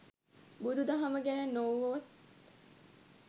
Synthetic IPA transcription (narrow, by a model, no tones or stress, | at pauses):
bud̪ud̪ɐɦɐməɡænenːoʋot̪